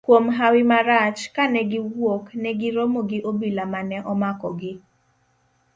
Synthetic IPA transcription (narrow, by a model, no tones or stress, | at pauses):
kwomɦawɪmaɾat͡ʃkanɛɡɪwoknɛɡɪɾomoɡɪʔobilamanɛʔɔmakɔɡɪ